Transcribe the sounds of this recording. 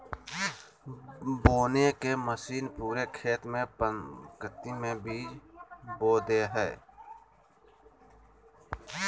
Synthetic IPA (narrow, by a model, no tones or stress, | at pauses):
boːnekeməsiːnpuːɾekʰeːt̪mẽpəkət̪ːimẽbiːd͡ʒboːd̪eːɦɛː